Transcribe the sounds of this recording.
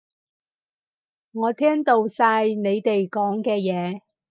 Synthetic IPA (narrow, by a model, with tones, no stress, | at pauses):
ŋɔː˨˧t̪ʰɛː˥ŋt̪o˨˧wsaː˧jne˨˧jt̪e˨jkɔː˨˥ŋkɛː˧jɛː˨˧